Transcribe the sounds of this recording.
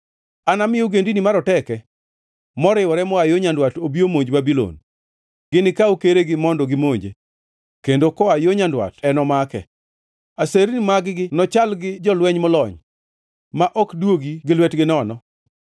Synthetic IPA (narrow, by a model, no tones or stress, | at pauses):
anamɪjoɡendinimaɾɔtɛkɛ | mɔɾɪwɔɾɛmɔajoɲandwatobiomoɲd͡ʒbabilo̰n | ɡɪnɪkaukeɾeɡɪmɔndɔɡɪmoɲd͡ʒḛ | kendokɔajoɲandwa̰tɛnɔmakɛ̰ | aseɾnimaɡɪɡɪnɔt͡ʃalɡɪd͡ʒɔlwɛɲmɔlɔɲ | maʔɔkdwoɡiɡɪlwɛtɡɪnɔnɔ